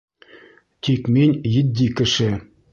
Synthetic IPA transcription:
t̪ʲikʲmʲenʲjɘ̆dʲːikʲɘ̆ʂĕ

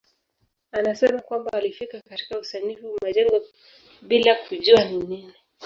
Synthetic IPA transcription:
anasɛmakwambaːlifikakati̥kausanifumaʄɛŋɡɔ | ɓilakuʄuaninini

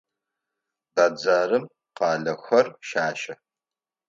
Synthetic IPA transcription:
baːd͡zaːɾɨm | qɑːɮɐxʷɐrʃaːʃɐ

